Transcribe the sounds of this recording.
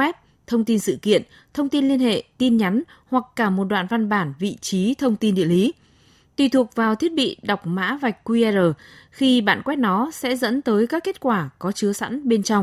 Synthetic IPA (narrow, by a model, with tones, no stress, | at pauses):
wɛ˦˥p̚ | t̪ʰə˧wŋ͡mt̪i˧nsɨ̰˧˨kḭ˧˨ən | t̪ʰə˧wŋ͡mt̪i˧nli˧ənhḛ˧˨t̪i˧nɲa˨˦n | hwa˨˩kːaː˧˩mo˨˩t̚ɗwa̰ː˧˨nva˧nɓaː˧˩nvḭ˧˨t͡ɕi˨˦t̪ʰə˧wŋ͡mt̪i˧nɗḭ˧˨əʔli˨˦ | t̪wi˨˩t̪ʰu˨˩ək̚vaː˨˩wt̪ʰi˦˥ət̚ɓḭ˧˨ɗa˨˩wk͡p̚ma̰ː˧˥va˨˩jk̟̚kwi˧ɛ˧zəː˨˩xi˧ɓa̰ː˧˨nkwɛ˦˥t̚nɔ˨˦sɛ̰˧˥zə̰˧˥nt̪əː˨˦jkaː˦˥kːe˦˥t̚kwaː˧˩kɔ˨˦t͡ɕɨ˨˦əsa̰˧˥nɓe˧nt͡ɕa˧wŋ͡m